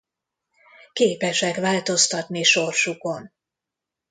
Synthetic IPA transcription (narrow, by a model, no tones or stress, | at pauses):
keːpɛʃɛkʋaːlt̪o̞st̪ɒt̪niʃo̞rʃuko̞n